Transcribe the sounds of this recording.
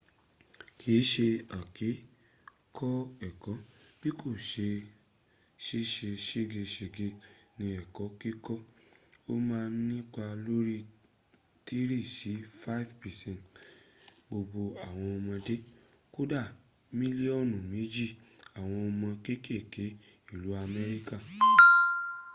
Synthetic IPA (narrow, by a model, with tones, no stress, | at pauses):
kʰi˨˦ʃe˧a˨ke˨˦ | kʰɔ˦ɛ˨kɔ˨˦b̥i˦kʰo˦˨ʃe˧ | ʃi˦ʃe˧ʃe˦ɡe˧ʃe˨ɡe˧nĩ˧ɛ˨kɔ˨˦ki˦kɔ˦o˦mãː˦˧˦nĩ˦k͡pa˧lo˦ɾi˦ | ti˦ɾi˦˨ʃi˨˦fa˦i˦˨vpɛ˨sɛ̃˦n˨t | bo˧bo˧a˨w̃ɔ̃˧ɔ˧mɔ̃˧de˦ | ko˦da˦˨ | mĩ˦li˦ɔ˦˨nũ˨mĩ˨˦d͡ʒi˦˨a˨w̃ɔ̃˧ɔ˧mɔ̃˧ke˦ke˦˨ke˨˦ | i˦˨lu˨˦a˧mɛ˦ɾi˦ka˦˨